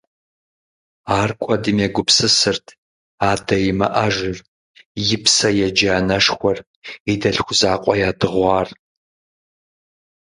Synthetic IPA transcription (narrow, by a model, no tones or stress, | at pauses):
aːrkʷʼɔdɨmjɛɡʷʊpsɨsɨrtʰ | aːdɐjmɐ̰ʔɐʒʷɪr | jɪpsɐjɛd͡ʒaːnɐʂxʷɔr | idɐɬxʷʊzaːqʷʼɔjaːdɨʁʷɑːr